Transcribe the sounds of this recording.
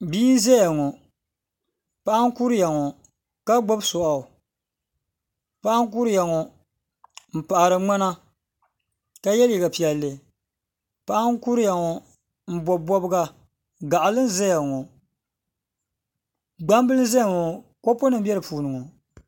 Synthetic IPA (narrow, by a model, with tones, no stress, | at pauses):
biː˦n̩˦zɛ˦ja˨ŋɔ˨ | pa˦ʔa˦ŋ˦ku˦ɾja˨ŋɔ˨ | ka˦ɡ͡bɔ˦bsɔ˨ʔa˨ | pa˦ʔa˦ŋ˦k̬u˦ɾja˨ŋɔ˨ | m̩˨pa˨ʔa˨ɾɨ˨ŋ͡ma˦na˦ | ka˦jɛ˦lji˨ɡa˨pi˨ɛ˨lːɨ˨ | pa˦ʔa˦ŋ˦ku˦ɾɨ˦ja˨ŋɔ˨ | m̩˨bɔ˨bɔ˦bɨ˦ɡa˦ | ɡa˨ʔa˨lɨ˦n˦zɛ˦ja˨ŋɔ˨ | ɡ͡ba˦m˦bɨ˦lɨ˦n˦zɛ˦ja˨ŋɔ˨ko˦po˦nɨ˦m˦bjɛ˦ɾɨ˨puː˨nɨ˨ŋɔ˨